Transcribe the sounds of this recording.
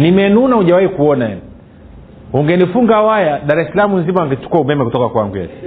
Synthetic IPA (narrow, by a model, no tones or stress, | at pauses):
nimɛnunauʄawaikuɔnaja̰n | uŋɡɛnifuŋɡawajaɗaɾɛsalamunzimaaŋɡɛt͡ʃu̥kuaumɛmɛkutɔkakwa̰ŋɡujɛ̰si